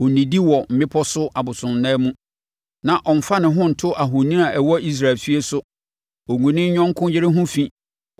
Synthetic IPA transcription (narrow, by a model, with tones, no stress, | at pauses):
o˨nĩ˨di˦wɔ˨m̩˨bɪ̃˦pʰɔ˦sʊ˦ʔa˨bʊ˨sʊ̃˨nː˨ɛ̃˦mũ˦ | nã˨ʔɔ˨m̩˨fa˦nɪ̃˨ɦʊ̃˦n̩˨tʰʊ˦ʔa˨ɦʊ˨nĩ˦nã˨ʔɛ˨wɔ˦i˦s̬ɾa˨lfi˦e˦sʊ˦ | ɔ˨ŋũ˨nɪ̃˦ɲɔ̃˦ŋ˦kʰʊ̃˦jɪ˦ɾɪ˦ɦʊ̃˦fĩ˦